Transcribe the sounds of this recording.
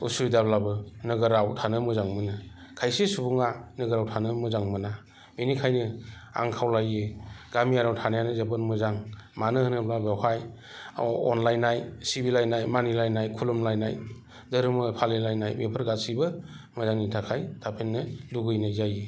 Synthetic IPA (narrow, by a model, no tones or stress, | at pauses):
usuɾidablabɯnɯɡɯɾawtʰanɯmɯzaŋmɯnɯkʰajsesubuŋanɯɡɯɾawtʰanɯmɯzaŋmɯna | minikʰajnɯa̰ŋkʰawlajeɡ̥amiaɾawtʰanajanɯzebɯnmɯzaŋmanɯɦɯnɯblabehaj | ɔ̰nlajnajsibilajnajmanilajnajkʰulumlajna̰j | dɯɾɯmɯpʰalelajnajmepʰɯɾɡasibɯ | mɯzaŋnitʰakʰajtʰapʰenːɯluɡɯjnazaje